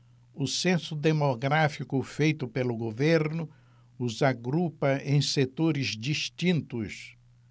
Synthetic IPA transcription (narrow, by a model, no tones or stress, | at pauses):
ʊsẽsʊd̪emoɡɾafikʊfejt̪ʊpelʊɡoveɾnʊ | ʊzaɡɾupɐʔẽj̃set̪oɾɪzd͡ʒiʃt͡ʃĩnt̪ʊs